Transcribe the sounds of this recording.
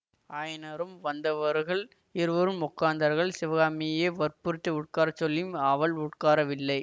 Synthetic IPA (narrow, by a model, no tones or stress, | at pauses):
aːjnɐɾɯmʋɐnd̪ɐʋɐɾɣɐɭ | ɪɾɯʋɐɾɯmʊkːaːnd̪ɐɾɣɐɭsɪʋɐɣaːmɪjeːʋɐɾpʊɾɪt̪ːɐʊʈ̚kaːɾɐt͡ʃːɔlːɯmɐʋɐɭʊʈkaːɾɐʋɪlːɐɪ